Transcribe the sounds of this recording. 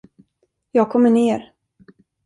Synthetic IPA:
jɑːɡ̚kʰɔmːəɳeːɾ

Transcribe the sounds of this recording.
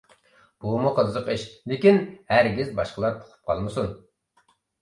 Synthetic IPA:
b̥umuqʰəzəqiʃlɪkʲinhæɾɡʲizbɑʃqəlˠɑɾt̪ʰo̥qʰʊ̥p̚qʰɑ̰lˠmɨsun

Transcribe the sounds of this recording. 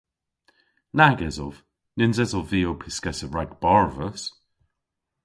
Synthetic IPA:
naɡɛzɔv̥ | nɪnzɛzɔviːopʰɪskɛsəvɹaɡb̥ɔɹvəs

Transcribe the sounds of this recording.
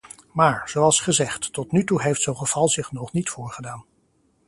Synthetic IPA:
maːɹz̥owɑlˠsχəzɛχtːɔtnytuɦejftsowχəv̥ɑlˠzɪχnɔχnitfʊːɹχədaːn

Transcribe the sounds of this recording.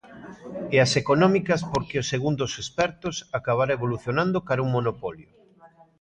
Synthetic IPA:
easekonɔmikɐspoɾkeoseɣund̪osespɛɾt̪ʊsakaβ̞aɾaeβoluθjonãnd̪okaɾuŋmonopɔljʊ

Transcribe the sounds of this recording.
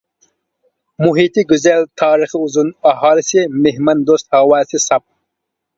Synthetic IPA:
muɦiːt̪iɡuzelt̪ʰɑːɾixiuzunaɦɑːlisemeɦmɐnd̪oːst̪hawaːsisɐp̚

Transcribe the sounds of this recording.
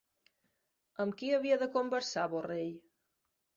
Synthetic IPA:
əmkiəβiəðəkombəɾsaβoreʎ

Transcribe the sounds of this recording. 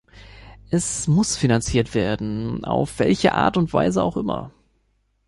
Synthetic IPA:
ʔɛsmʊsfinant͡siːɐtv̥eːɐdn̩a̰ʊfv̥ɛ̰lçə̰ʔa̰ːɐtʊntv̥a̰ɪzəa̰ʊxʔɪmɐ̰

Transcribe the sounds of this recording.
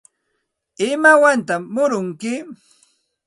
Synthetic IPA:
ɪmawant̪amːʊɾʊŋkɪ

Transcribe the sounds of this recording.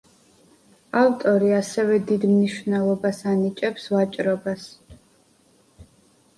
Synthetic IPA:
avt̪ʼɔɾiasɛvɛd̪id̪mniʃvnɛlˠɔbasanit͡ʃʼɛpsvat͡ʃʼɾɔbas

